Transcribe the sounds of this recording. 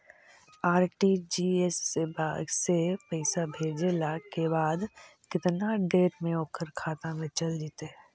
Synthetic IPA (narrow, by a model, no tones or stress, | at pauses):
aːɾʈid͡ʒiːesebaːɡsepəɪsabʱeːd͡ʒelakebaːd̪kɪt̪naɖeːɾmẽoːkəɾkʰaːt̪amẽt͡ʃɐld͡ʒit̪e